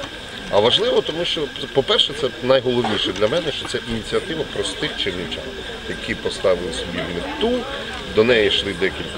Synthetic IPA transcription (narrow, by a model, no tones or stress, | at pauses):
ɐʋɐʒlˠɪʋɔt̪ɔmuʃt͡ʃɔɛpɔpɛrʃɛt̪sɛnɐjɦɔlˠɔwnʲiʃɛd̪lʲɐmɛnɛʃt͡ʃɔt̪sɛʔinʲit͡sʲiɐt̪ɪʋɐpɾɔst̪ɪxt͡ʃɪwnɪt͡ʃa̰n | jɐkʲʰipɔst̪ɑʋɪlˠɪsʲɔbʲiɦmɪt̪u | d̪ɔnɛjɛʃlˠɪd̪ɛkʲilʲk